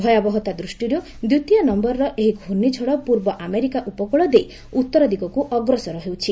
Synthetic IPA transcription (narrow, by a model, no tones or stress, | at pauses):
bʱɔjabɔɦɔt̪ad̪ɾusʈiɾu | d̪jut̪ijɔnɔmbɔɾɔɾɔʔeɦiɡʱunit͡ʃʰɔɽɔpuɾbɔʔameɾikaʔupɔkuɭɔd̪ej | ut̪ːɔɾɔd̪iɡɔkuʔɔɡɾɔsɔɾɔɦewt͡ʃʰi